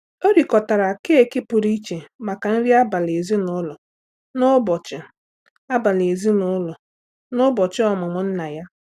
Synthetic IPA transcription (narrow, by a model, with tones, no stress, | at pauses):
o˦ɾi˨kɔ˨ta˨ɾa˨ke˦e˦˨ki˦pʊ˨ɾi˦t͡ʃe˨ma˨ka˨n̩˦ɾi˦a˦ba˨le˨zi˦nʊ˦lɔ˨ | nʊ˦bɔ˨t͡ʃɪ˨ | a˦ba˨le˨zi˦nʊ˦lɔ˨ | nʊ˦bɔ˨t͡ʃɪ˦ɔ˨mʊ˨ŋʊ˨n̩˦na˨ja˦